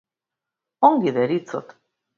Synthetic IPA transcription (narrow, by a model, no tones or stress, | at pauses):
oŋɡiðeɾit͡sot̪